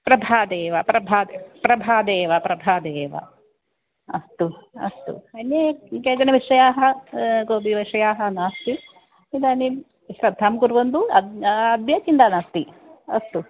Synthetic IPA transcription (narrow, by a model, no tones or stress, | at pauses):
pɾɐbʱaːd̪eːʋɐpɾɐbʱaːd̪pɾɐbʱaːd̪eːʋɐpɾɐbʱaːd̪eːʋɐ̰ | ɐ̰st̪uɐ̰st̪ṵɐnjekeːd͡ʒɐnɐʋiʂɐjaːɦɐɡoːbʱiʋɐʂɐjaːɦɐnaaːst̪i | id̪aːni | ʃɾɐd̪ʱːaːmkuɾʋɐnd̪uɐɐd̪jɐkind̪aːnast̪i | ɐ̰st̪u